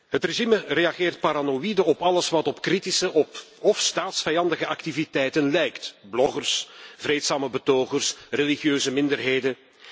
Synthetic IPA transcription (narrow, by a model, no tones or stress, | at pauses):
hətreʒiməreɑɣeːrt̚paɾanoidəɔpɑləsʋɑtɔpkritisəʔɔpɔfstaːtsfɛjɑndəɣəʔɑktivitɛjtənlɛjktblɔɣərsvreːtsaːməbətoːɣərsreliɣjøːzəmɪndərɦeːjdən